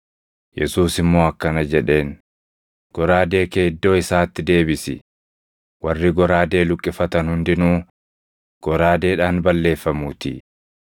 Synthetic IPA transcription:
jɛ̰suːsɪmːo̞ːɐkːɐnɐd͡ʒɛᶑe̞ːn | ɡ̥ɔɾaːd̪e̞ːkeːd̪ːo̞ːɪsaːt̪ːɪd̪e̞ːbɪsɪ̰ | wɐrːɪɡɔɾaːd̪e̞ːlʊkʼːɪfɐt̪ɐnhʊnd̪ɪnuː | ɡ̥ɔɾaːd̪e̞ːᶑaːnbɐlːe̞ːfːɐmuːt̪ɪ̰

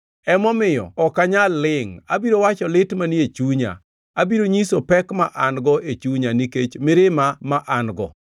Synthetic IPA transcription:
ɛmɔmɪjɔ̰ɔkaɲalːɪŋabiɾowat͡ʃɔlɪtmaniet͡ʃuɲa̰ | abiɾoɲisopɛkmaʔanɡɔʔet͡ʃuɲaniket͡ʃmɪɾɪmamaʔanɡɔ̰

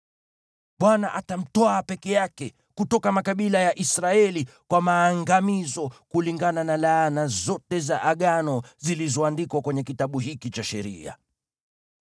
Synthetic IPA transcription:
ɓwanaʔatam̩tɔaːpɛkɛjakɛ | kutɔkamakaɓilajaʔisɾaɛlikwamaːŋɡamizɔkuliŋɡananalaːnazɔtɛzaʔaɠanɔzilizɔandikwakwɛɲɛkitaɓuɦikit͡ʃaʃɛ̰ɾḭa̰

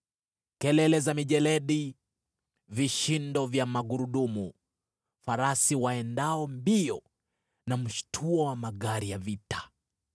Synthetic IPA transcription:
kɛlɛlɛzamiʄɛlɛɗi | viʃindɔvjamaɡuɾuɗumu | faɾasiwaɛndaɔmbiɔ | nam̩ʃtʰuɔwamaɠaɾijavitḁ

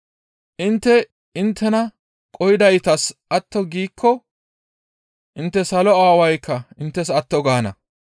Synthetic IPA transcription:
ʔɪnt̪ːɛ | ɪnt̪ʰːɛnɐ | kʼɔjɪd̪ɐjt̪ɐsʔɐt̪ːɔɡiːkʰːɔ | ʔɪnt̪ːɛsɐlɔaːwɐjkːɐɪnt̪ːɛsɐt̪ːɔɡaːnɐ̰

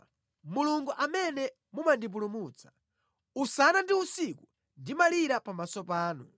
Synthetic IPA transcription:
muluŋɡuʔamɛnɛ | mumandip̬ulumut͡sʰḁ | usanandiusiku | ndimaliɾapamasɔpaːnu

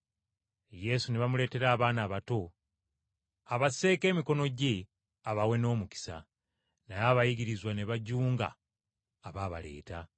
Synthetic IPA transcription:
je̞suneβamule̞ːte̞ɾaːβaːnaːβato̞ | aβase̞ːke̞ːmiko̞no̞ɟe | aβawe̞no̞ːmuki̥sa̰ | najaːβajiɡiɾizwaneβaɟuːŋɡa̰ː | βaβa̰le̞̰ːta

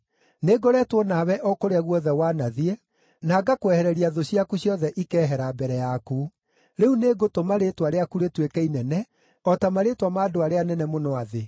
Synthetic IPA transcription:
neɡoɾɛtwɔnaːβɛʔɔkoɾeaɣwɔðɛwaːnaðiɛ | naːɡakwɛhɛɾɛɾiaðoɕiakuɕjɔðɛʔikɛːɦɛɾaːbɛɾɛjaku | ɾeuneɡotomaɾetwaɾeakuɾetwekɛinɛnɛ | ɔtamaɾetwamaːdoaɾeanɛnɛmonɔaðe

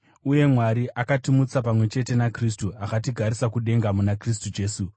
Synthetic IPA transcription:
uje̞mwaɾiʔakatimut͡sapamwe̞t͡ʃe̞te̞nakris̬tuakat̬iɡʱaɾisakuɗe̞ŋɡamunakris̬tud͡ʒe̞ːsu

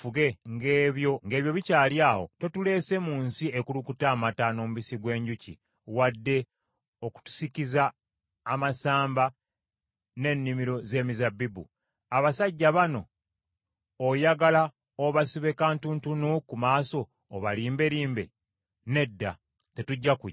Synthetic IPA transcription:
fuɡe̞ŋɡeːβjo̞ŋɡe̞ːβjo̞βicaːljaːho̞̰te̞tule̞ːse̞muːnsiekulukutaːmataːno̞ːmuβisiɡwe̞ːɲɟucḭ | wadːe̞ | oku̥tu̥sikizaː | masaːmba | ne̞nːimiɾo̞ze̞ːmizabibṵ | aβasaɟːaβano̞ | jaɡala | oβasiβekantuntunukumaːsoː | βaliːmbe̞ɾiːmbe̞̰ | ne̞dːa̰ | te̞tuɟːaku

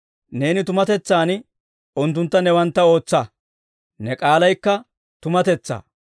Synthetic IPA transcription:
ne̞ːnɪt̪ʊmɐt̪ɛt͡sːaːn | ʊnt̪ːʊnt̪ːɐnɛwɐnt̪ːɐo̞ːt͡sːɐ | nɛkʼaːlɐjkːɐ | t̪ʊmɐt̪ɛt͡sːa̰ː

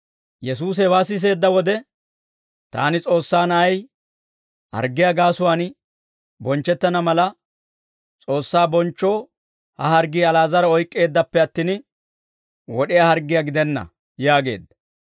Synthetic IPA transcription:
jɛs̬uːs̬βaːsɪs̬e̞ːd̪ːɐwɔd̪ɛ | t̪a̰ːnɪt͡sʼo̞ːsːaːnɐɐj | hɐ̰ɾɡːɪjaɡaːsʊwaːn | bɔnt͡ʃːɛt̪ːɐnɐmɐlɐ | t͡sʼo̞ːsːaːbɔnt͡ʃːo̞ː | hɐhɐɾɡiːɐlaːzɐɾɐɔjkʼːe̞ːd̪ːɐpːɛɐt̪ːiːn | wɔɗɪjahɐɾɡːɪjaɡɪd̪ɛnːɐ̰ | jaːɡe̞̰ːd̪ːɐ̥

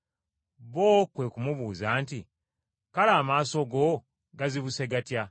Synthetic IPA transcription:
βoːkwe̞kumuβuːzaːnti | kalaːmaːso̞ɡo̞ | ɡaziβuse̞ɡatja

